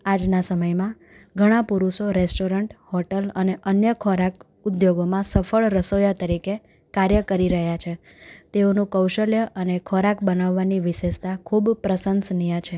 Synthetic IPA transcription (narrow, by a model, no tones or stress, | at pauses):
ad͡ʒnasəməjmã | ɡʱəɽ̃ãpuɾuʃoɾesʈoɾəɳʈhɔʈələneʔənjəkʰɔɾak | ud̪joɡomãsəfəɭɾəsojat̪əɾike | kaɾjəkəɾiɾəɦjat͡ʃʰe | t̪eonũkəwʃəljəʔənekʰɔɾakbənaʋːaniʋɪʃeʃt̪akʰubpɾəsənsnijat͡ʃʰe